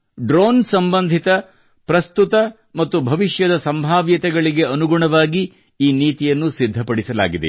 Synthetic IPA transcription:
ɖɾoːnsɐmbɐnd̪ʱit̪ɐ | pɾɐst̪ut̪ɐ | mɐt̪ːubʱɐʋiʃjɐd̪ɐsɐmbʱaːʋjɐt̪ɛɡɐɭiɡe̞ɐnuɡuɳɐʋaːɡi | iːniːt̪ijɐnːusid̪ʱːɐpɐɽisɐla̰ːɡid̪ḛ

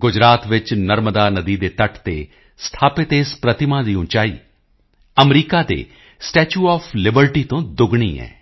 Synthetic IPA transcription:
ɡʊd͡ʒɾaːt̪ʋɪt͡ʃnəɾməd̪aːnəd̪iːd̪eːt̪əʈʰt̪ḛː | st̪ʰaːpɪt̪eːspɾət̪ɪmãːd̪iːʊ̃t͡ʃaːḭː | əmɾiːkaːd̪ḛː | sʈɛːt͡ʃuːɔːfʰlɪbəɾʈiːt̪õːd̪ʊɡɳ̃ḭːɛ̰ː

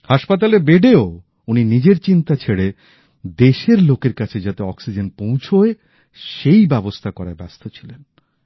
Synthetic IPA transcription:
haʃpat̪̬alebeɖeo | uninid͡ʑeɾt͡ɕint̪at͡ɕʰeɽe | d̪eʃeɾlokeɾkat͡ɕʰed͡ʑat̪eɔksid͡ʑenpõw̃t͡ɕʰoe | ʃejbɛbost̪ʰakɔɾaɾbɛst̪ʰot͡ɕʰilen

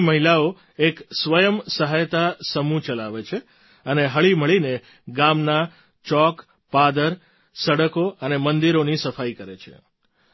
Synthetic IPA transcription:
məɦilao | eksʋəjəmsəɦajt̪asəmũt͡ʃəlaʋet͡ʃʰe | əneɦəɭiməɭine | ɡamna | t͡ʃɔk | pad̪əɾ | səɽəkoənemənd̪iɾonisəfaikəɾet͡ʃʰḛ

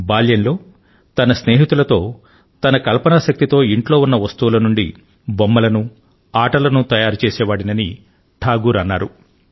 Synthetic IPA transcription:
baːljɐnlo̞ː | t̪ɐnɐsneːɦit̪ulɐt̪o̞ː | t̪ɐnɐkɐlpɐnaːʃɐk̚t̪it̪o̞ːiɳʈlo̞ːunːɐʋɐst̪uʋulɐnuɳɖi | bɔmːɐlɐnu | aːʈɐlɐnut̪ɐjaːɾut͡ʃɛːsɛːʋaːɽinɐni | ʈʰaːɡuːɾɐnːaːɾu

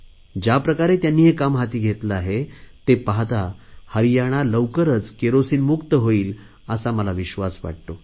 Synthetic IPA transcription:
d͡ʑapɾəkaɾet̪janːiːɦekamɦat̪iːɡʱet̪ləaɦet̪epaɦt̪ahəɾijaɽ̃aləwkəɾət͡skeɾosiːnmukt̪əɦoiːl | əsaməlaʋiɕʋasʋa̰ɽ̚t̪o

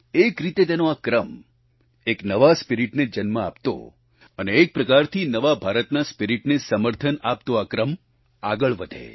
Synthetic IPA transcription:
ekɾit̪et̪enoakɾəm | eknəʋaspiɾiʈned͡ʒənməa̰pt̪o̰ | əneːk̚pɾəkaɾt̪ʰinəʋabʱaɾət̪naspiɾiʈnesəməɾt̪ʰənapt̪oakɾəm | aɡəɭʋəd̪ʱḛ

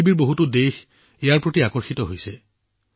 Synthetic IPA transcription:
ibiɹboɦutʊdex | ejaɹpɹotiakɔɹxitɔɦojsɛ

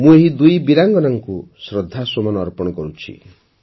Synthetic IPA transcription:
mũeɦid̪ujbiɾaŋɡɔnaŋkusɾɔd̪ʱːasomɔnɔːɾpɔɽ̃ɔkɔɾut͡ʃʰḭ

